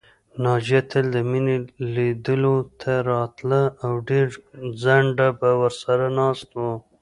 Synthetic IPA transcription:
nɑd͡ʒat̪ʰəld̪əmineled̪əlot̪ʰaɾɑt̪laawɖeɾzaɳɖabawəɾsaɾanɑst̪o

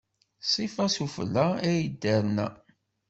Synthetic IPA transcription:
sˤifɑsufə̰lːææjəd̪ːæɾnæ̰

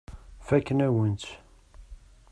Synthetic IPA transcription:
fækːənæwənt̪

